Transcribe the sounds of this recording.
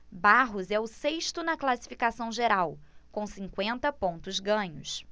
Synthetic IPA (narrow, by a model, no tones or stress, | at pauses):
baɦʊzɛʊseʃt̪ʊnɐklasi̥fikasɐ̃w̃ʒeɾawkõw̃sĩŋkwẽnt̪ɐpõnt̪ʊzɡɐ̃ɲʊs